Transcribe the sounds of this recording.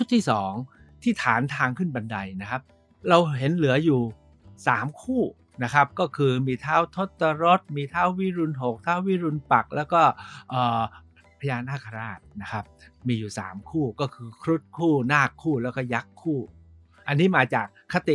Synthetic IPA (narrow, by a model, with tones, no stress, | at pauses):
t͡ɕʰu˦˥t̪ʰːiː˥˩sɔː˩˦ŋ | t̪ʰiː˥˩t̪ʰaː˩˦nt̪ʰaː˧ŋkʰɯ˥˩nba˧nda˧jna˦˥kʰa˦˥p̚ | ɾa˧wɦe˩˦nlɯ˩˦ɐjuː˨˩ | saː˩˦mkʰuː˥˩ | na˦˥kʰa˦˥p̚kɔː˥˩kʰɯː˧miː˧t̪ʰaː˦˥˩wt̪ʰo˦˥t̪ːa˧ɾo˦˥t̪̚miː˧t̪ʰaː˦˥˩wwi˦˥ɾu˧nɦo˨˩k̚t̪ʰaː˦˥˩wi˦˥ɾu˧npa˨˩k̚lʔɛː˦˥wkɔː˥˩ʔɤː˨˩ | pʰa˧jaː˧naː˥˩kʰa˧ɾaː˧˩t̪̚na˦˥kʰa˦˥p̚miː˧juː˨˩sa̰ː˩˦mkʰuː˥˩kɔː˥˩kʰɯː˧kʰɾu˦˥t̪̚kʰuː˥˩naː˥˩kʰːuː˥˩lɛː˦˥wkɔː˥˩ja˦˥kʰːuː˥˩ | ʔa˧nːiː˦˥maː˧t͡ɕaː˨˩kʰːa˦˥t̪i˨˩